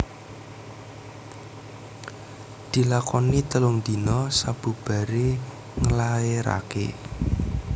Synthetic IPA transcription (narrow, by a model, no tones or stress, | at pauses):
d̪̥i̤lakɔnit̪əlʊŋd̪̥i̤nɔsab̥ṳb̥a̤ɾe | ŋəlaeɾa̰kḛ